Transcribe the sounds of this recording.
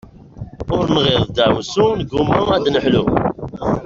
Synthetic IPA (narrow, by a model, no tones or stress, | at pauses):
ʊɾnʁɪðˤd̪æwsunəɡumːʊæd̪nəħlu